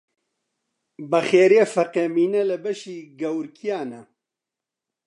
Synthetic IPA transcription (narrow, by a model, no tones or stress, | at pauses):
bɐxeːɾjefɐqeːmiːnɛlɐbɐʃiːɡɐwɾkʰijaːnɐ